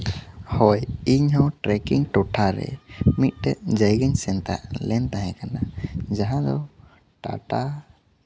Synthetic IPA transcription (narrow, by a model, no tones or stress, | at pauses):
hɔjiɲhɔ̃ʈɾɛkiŋʈɔʈʰaɾɛ̰mit̪̚ˀtɛʔ̚d͡ʒəjɡəɲsɛnt̪a̰ʔlɛnt̪ãɦɛ̃kanad͡ʒaɦãd̪ɔ | ʈa̰ʈa